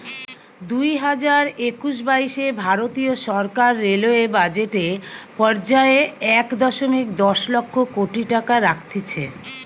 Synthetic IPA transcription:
d̪ujɦad͡ʑaɾekuʃ̬baiʃebʱaɾot̪ioʃɔɾkaɾːeloebad͡ʑeʈepɔɾd͡ʑaeɛkd̪ɔʃomikd̪ɔʃlɔkʰːokoʈiʈakaɾakʰt̪ʰit͡ɕʰḛ

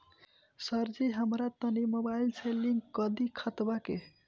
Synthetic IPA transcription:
səɾd͡ʒiɦəmɾat̪ənimobailsʰeliŋkːʌd̪ikʰat̪bake

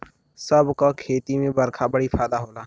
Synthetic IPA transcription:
səbkaːkʰeːt̪iːmẽːbəɾkʰaːbəɽiːpʰaːd̪aːɦoːlaː

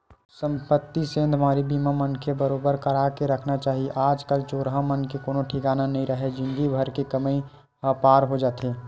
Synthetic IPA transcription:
sə̃mpət̪ːisẽːnd̪ʱmaːɾibiːmamənkʰebəɾoːbəɾkəɾakeɾəkʰnat͡ʃaːɦieʔaːd͡ʒkəlt͡ʃoːɾɦəmənkekoːnõʈʰikaːnanəɦĩɾəɦed͡ʒɪ̃nɡ̪ibʱəɾkekəməi | ɦəpaːɾɦod͡ʒaːt̪eː

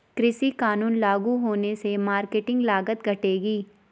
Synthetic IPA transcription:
kɾɪʃikaːnuːnlaːɡuɦoːnesemaːɾkeːʈɪ̃ŋɡlaːɡət̪ɡʱɐʈeːɡiː

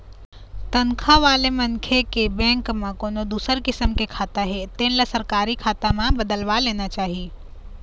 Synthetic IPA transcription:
t̪ənkʰãʋaːlemənkʰekebɛ̃ːŋkmãkoːnod̪uːsəɾkɪsəmkekʰaːt̪aɦet̪ẽːnlasəɾkaːɾikʰaːt̪amãbəd̪əlʋaleːnat͡ʃaːɦi

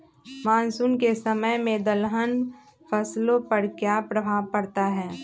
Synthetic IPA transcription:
mãːnsʊnkesɐməjmẽd̪əlɦən | pʰəslõpɐɾkjaːpɾəbʱaːʋpɐɾt̪aɦɛː

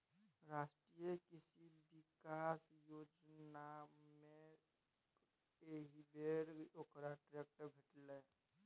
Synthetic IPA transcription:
ɾaːsʈɾijekisibikasjoːd͡ʒnamẽ | eɦibʱeɾokɾaʈɾek̚ʈəbʱeʈle

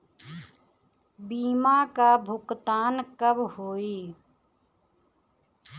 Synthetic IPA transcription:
biːmaːkaːbʱʊkt̪aːnkəbhoːiː

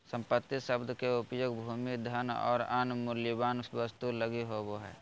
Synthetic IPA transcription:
sə̃mpət̪ːiʃəbd̪ʱkeʊpjoːɡbʱuːmid̪ʱənɔ̰ːɾa̰nmʊljibaːnsʋəst̪uləɡiɦoboɦɛ̰ː

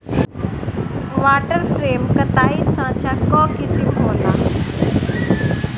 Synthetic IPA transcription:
ʋaːʈəɾfɾeːmkət̪aːisãːt͡ɕaːkɔːkɪsimɦoːla̰ː

